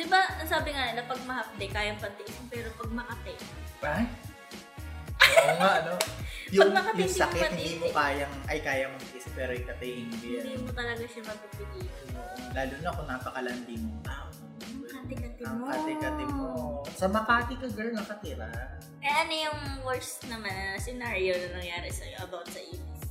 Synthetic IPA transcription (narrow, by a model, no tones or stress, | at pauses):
d̪̥ɪbanɐsaːbɪŋanɐpɐɡ̚mɐhɐp̚t̪ɛkaːjɐŋpɐnt̪ɪʔɪsɐŋpɛːɾopɐɡ̚mɐkɐt̪ɛaj | oŋaʔɐnojʊŋɡmɐkɐtjʊŋsɐkɛt̪̚hɪnd̪iːmokaːjɐŋʔɐjkaːjɐmʊŋkɪs̚pɛːɾoɪkɐt̪ajhɪnɡ̪id̪imot̪ɐlɐɡaʃɐmɐb̚pɪpɪliːtonoʔlaːluːnɐkoŋnaːpɐkɐlɐnd̪imoŋt̪aːʔo | mkat̪ɪkɐt̪ɪɐmmat̪ɪkɐt̪ɪmosɐmɐkaːt̪ɪkɐɡɐnɐkɐt̪ɪɾɐ | ɐjaʔɐnojʊŋwɛɹst̪nɐmanɐsɛnaːɾionɐnɐŋjaːɾɪsɐʔɐbawt̪sɐʔiːmɪs